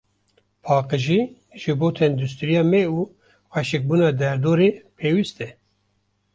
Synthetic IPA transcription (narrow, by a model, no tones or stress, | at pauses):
pʰɑːqɨʒiː | ʒɨboːt̪ʰɛnd̪ust̪ɨɾijɑːmɛuː | xɛʃɪk̚buːnɑːd̪ɛɾd̪oːɾeːpʰeːwist̪ɛ